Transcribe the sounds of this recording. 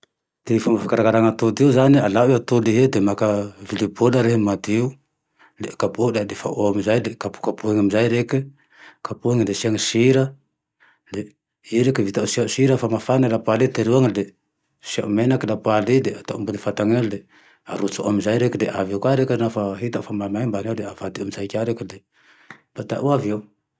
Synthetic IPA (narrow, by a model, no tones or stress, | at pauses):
d̪̥eifamafakaɾaɡaɾaŋat̪od̪iuzanialaʔeat̪oliɦed̪emakavilibolaɾeɦemad̪iu | lekapolead̪efa̰ʔamizajlekapu̥kapueŋamizajɾeki | kapueŋlesiaŋisiɾa | le | iɾekəvit̪aʔusiausiɾafamafanalapwalit̪eɾiwaŋde | siaʔumenakəlapalideat̪aʔumbudefat̪aŋade | aɾut͡suʔo̰mzaiɾekdeʔaviawkʷaɾeknafaɦit̪aʔufamamaimbanawdeavad̪iumzajikʲaɾekide | b̥at̪aʔuaviaw